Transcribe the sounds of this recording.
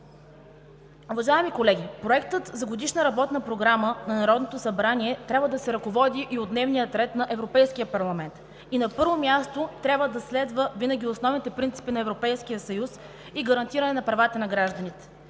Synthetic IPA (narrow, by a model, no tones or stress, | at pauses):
uvɐʒaɛmikolɛɡʲipɾoɛkt̪ət̪zɐɡod̪iʃnəɾɐbɔt̪nəpɾoɡɾamənɐnɐɾɔd̪not̪osɐbɾanʲiɛt̪ɾʲabvəd̪ɐsɛɾɐkovɔd̪iʔiod̪nɛvnijət̪ɾɛt̪nɐʔɛvɾopɛjsk̟ijəpɐɾlˠɐmɛnt̪ | inɐpɤɾvomʲjast̪ot̪ɾʲjabvəd̪ɐslɛd̪vəvinəɡ̟ʲiosnɔvnit̪ɛpɾint̪si̥pinɐɛvɾopɛjskijəsɐjus | iɡɐɾɐnt̪iɾɐnɛnɐpɾɐvat̪ənɐɡɾaʒd̪ɐnit̪ɛ̥